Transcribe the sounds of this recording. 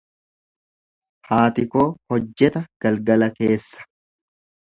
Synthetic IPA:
haːt̪ɪkoːhɔd͡ʒːɛt̪ɐɡ̥ɐlɡɐlɐke̞ːsːɐ̥

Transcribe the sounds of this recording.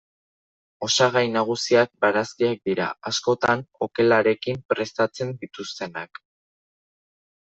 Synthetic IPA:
o̞saɣajnaɣ̞usiak̚baɾaskiak̚d̪iɾa̰asko̞t̪ano̞ke̞laɾe̞kimpɾe̞st̪at͡se̞nd̪it̪ust̪e̞nak

